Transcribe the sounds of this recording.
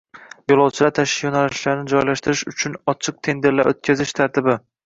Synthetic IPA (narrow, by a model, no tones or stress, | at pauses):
jolˠɒwt͡ʃʰɪlaɾt̪ʰaʃjonalɪʃlaɾnɪd͡ʒɒjlaʃt̪ɪɾɪʃʊt͡ʃʰʊnɒt͡ʃʰɨq̚t̪ʰe̞nd̪e̞ɾlaɾʔot̪̚kʲʰazɪʃt̪ʰaɾt̪ʰɪbɪ